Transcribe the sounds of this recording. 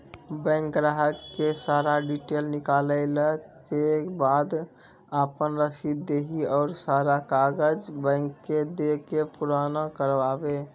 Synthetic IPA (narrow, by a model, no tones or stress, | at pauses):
bɛ̃ŋkɾaɦəkːesaɾaɖiʈelnikaləɪləkkebad̪ | apənɾəsid̪d̪eɦiɔːɾsaɾakaɡəd͡ʒbə̃ŋkːed̪ekepuɾanəkəɾʋabe